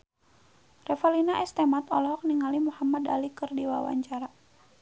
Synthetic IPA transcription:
rɛfalinaʔɛst̪ɛmat̪ɔlɔɦɔk̚niŋalimuhamada̰likɨrdiwa̰wa̰ɲt͡ʃaɾa

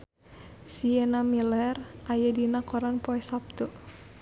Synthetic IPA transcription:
siɛnamilɛrʔajadinakɔɾanpɔɛsap̚t̪ɔ

